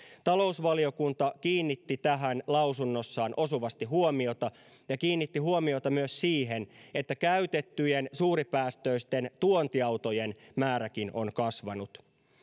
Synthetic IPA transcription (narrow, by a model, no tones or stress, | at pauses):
t̪ɑlo̞usʋɑlio̞kunt̪ɑkiːnːit̪ːit̪æɦænlɑwsunːo̞sːɑːnʔo̞suʋɑst̪iɦuomio̞t̪ɑ | jɑkiːnːit̪ːiɦuomiot̪ɑmyøssiːɦe̞ne̞t̪ːækæyt̪e̞t̪ːyjensuːɾipæːst̪øist̪e̞nt̪uont̪iɑwt̪o̞je̞nmæːɾækino̞̰nkɑsʋɑnut̪